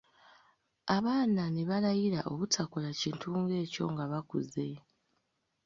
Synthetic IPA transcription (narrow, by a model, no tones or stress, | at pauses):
aβaːnaneβalajiɾaʔo̞βutʰakulaciːntʰuːŋɡe̞ːco̞ŋɡaβakṵze